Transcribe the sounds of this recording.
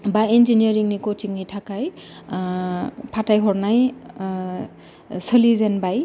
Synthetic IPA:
bainziniɹiŋnikotiŋnitʰakaj | pʰatajɦɔɹnaj | səlizɛnbaj

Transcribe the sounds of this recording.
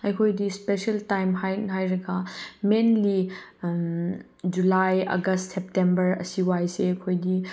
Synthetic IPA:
ɐjkʰojdispeseltajmɦajnɦajɾɐɡɐmenli | d͡ʒulajɐ̰ɡɐstsep̚tembɐɾɐ̰siwajseɐkʰojdi

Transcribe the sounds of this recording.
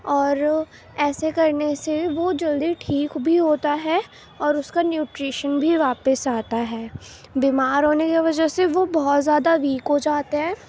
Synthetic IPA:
ɔːɾ | ɛːsekɐɾneseʋod͡ʒɐld̪iʈʰiːkbʱiɦoːt̪aɦɛ | ɔːɾʊskanjuːʈɾiːʃənbʱiʋaːpəsaːt̪aɦɛː | biːmaːɾɦoːnekeʋɐd͡ʒəseʋobɔɦɔt̪zjaːd̪aʋiːkɦod͡ʒaːt̪eɦɛ̃ː

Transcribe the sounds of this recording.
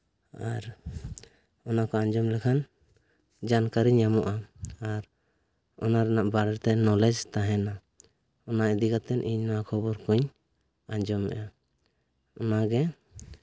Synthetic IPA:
aɾ | ɔnakɔaɲd͡ʒɔmlɛkʰan | d͡ʒankaɾiɲːamɔʔaaɾ | ɔnaɾɛnaʔbaɽɛɾt̪ɛnɔlɛd͡ʒt̪aɦɛna | ɔnaid̪iɡat̪ɛnʔḭɲnɔwakʰɔbɔɾkɔɲ | aɲd͡ʒɔmːɛ̰ʔa | ɔnaɡɛ

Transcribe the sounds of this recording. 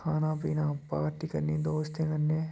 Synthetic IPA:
kʰaːnãːpiːnãːpaːɾʈiːkɐɾnːĩːd̪oːst̪ẽːkɐnːeː

